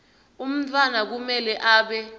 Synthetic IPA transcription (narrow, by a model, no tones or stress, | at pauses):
um̩tʰʼwanak̬umɛlɛʔaːɓɛ